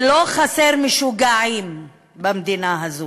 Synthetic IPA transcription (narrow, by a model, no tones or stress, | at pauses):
loχaseʁmiʃuɡaʕim | bamd̪inaɦazo